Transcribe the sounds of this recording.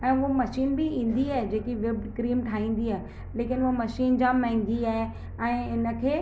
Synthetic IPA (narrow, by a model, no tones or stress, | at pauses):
ɛ̃ːʊɦmɐʃiːnbɪĩːn̆d̪iaːɦed͡ʑeːkiʋɪb̚ɖkɾiːmʈʰaːĩːn̆d̪iaːɦe | leːkɪnomɐʃiːnd͡ʑãmɛ̃ɦɪ̃ŋɡiaːɦe | ɛ̃ːɪnə̆kʰeː